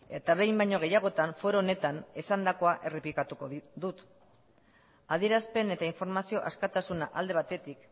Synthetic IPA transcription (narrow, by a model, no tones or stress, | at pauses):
e̞t̪aβe̞jmbajɲo̞ɣ̞e̞jaɣ̞o̞t̪aɱfo̞ɾoːne̞t̪ane̞sand̪ako̞aʔe̞replikat̪uko̞ðut̪ | að̞ie̞ɾaspe̞ne̞t̪aiɱfo̞ɾmasio̞ʔaskat̪asunaʔald̪e̞β̞at̪e̞t̪ik